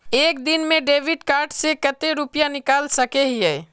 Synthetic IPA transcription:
ek̚d̪inmeɖeʋiɖkaɾɖsekət̪eɾupijanikalsəkeɦiɦɛ

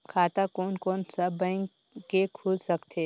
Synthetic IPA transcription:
kʰaːt̪akoːnkɔːnsabə̃ɪŋ | kekʰuːlsɐkt̪ʰeː

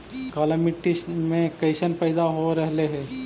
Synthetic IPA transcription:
kaːləmɪʈiʃmẽkɐɪʃənpɛːɪd̪aɦoɾɛɦleɦɛ̃ː

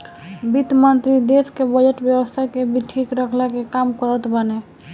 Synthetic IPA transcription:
bit̪mənt̪ɾid̪eskebəd͡ʒeʈbjəwəst̪ʰakebʱiʈʰikɾəkʰlɛkekamkəɾət̪bəne

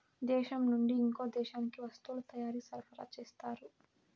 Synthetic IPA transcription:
d̪ɛːʃɐmnuɳɖiːŋkoːd̪ɛːʃaːnikiʋɐst̪uːlut̪ɐjaːɾisɐɾpɐɾa̰t͡ʃeːst̪aːɾu

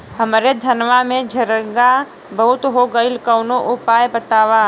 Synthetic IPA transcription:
həmɾed̪ʱɐnʋamẽd͡ʒʱəɾəɡa | bəɦʊt̪ɦoɡəilkəʊnoʔʊpaːjbət̪aːʋaː

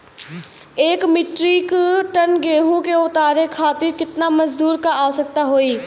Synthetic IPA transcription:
eːkmɪʈɾiːkʈənɡeːɦũkeʊt̪aːɾekʰaːt̪iɾkɪt̪namɐzd̪uːɾkaaːsək̚t̪aɦoːiː

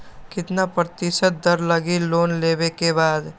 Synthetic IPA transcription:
kɪt̪napɾət̪ɪʃət̪̚d̪ɐɾlɐɡiloːnleːbekebaːd̪

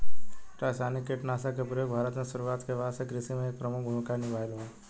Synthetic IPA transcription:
ʈaːsaːnikeʈnaːsakepɾəjoːɡbʱaːɾət̪mẽsʊɾuaːt̪keʋaːsekɾɪsimẽeːk̚pɾəmʊk̚ʰbʱumɪkaɾnɪʋʱaːela

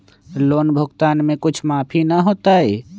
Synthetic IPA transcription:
loːnbʱʊɡt̪aːnmẽkʊt͡ʃʰmaːpʰinɐɦoːt̪aɦɛː

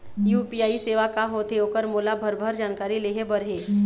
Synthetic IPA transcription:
juːpiaːiseːʋakaɦot̪eoːkəɾmoːlabʱəɾbʱəɾd͡ʒaːnkaːɾileːɦebɐɾɦeː

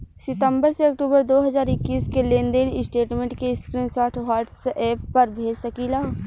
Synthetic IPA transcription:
sɪt̪ə̃mbəɾseɐk̚ʈuːbəɾd̪oːɦɐzaːɾɪkːiːskelẽːnd̪enɪsʈeːʈmẽːɳʈkeskɾiːnsaːʈʰɦaːɾʈsɛːpːɐɾbʱeːd͡ʒsəkiːlaː

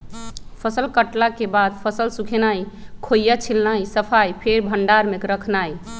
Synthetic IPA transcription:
pʰəsəlkəʈlakebad̪pʰəsəlsukʰenajkʰojat͡ʃʰilnajsəpʰajpʰeɾbʱəɳɖaɾmekɾəkʰnaj

